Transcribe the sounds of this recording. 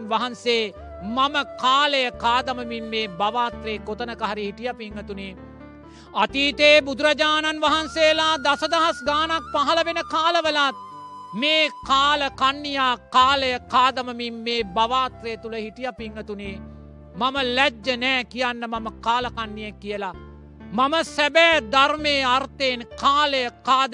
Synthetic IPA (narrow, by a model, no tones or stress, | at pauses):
nʋaɦanseː | maməkaːləjəkaːd̪ɐməmimːeːbaʋaːt̪ɾeːkot̪ənəkaɦɐɾihiʈijapiŋɡət̪une | at̪iːt̪eːbud̪uɾad͡ʒaːnanʋaɦansejəlaːd̪asəd̪aɦasɡaːnak̚paɦɐləʋenəkaːləʋəlat̪̚meːkaːləkanːijaːkaːləjəkaːd̪əməmimːeːbaʋaːt̪ɾeːt̪uləhiʈijapiŋɡət̪uneː | maməlɛd͡ʒːənɛːkijanːəmaməkaːləkanːijekːijəla | maməsæbɛːd̪armeːart̪enkaːləjəkaːd̪